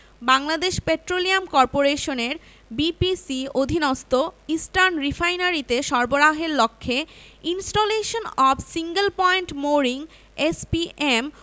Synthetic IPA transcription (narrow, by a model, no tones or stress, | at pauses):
baŋlad̪eʃpeʈɾoliamkɔɾpoɾeʃoneɾ | bipisiod̪ʱinɔst̪oisʈanɾifajnaɾit̪eʃɔɾboɾaɦeɾlokʰːeinsʈoleʃonɔbsiŋɡelpɔeɳʈmoɾiŋ | espiʔem